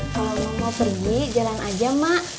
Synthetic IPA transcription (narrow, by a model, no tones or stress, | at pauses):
kaamapərɡid͡ʒalanʔad͡ʒamaʔ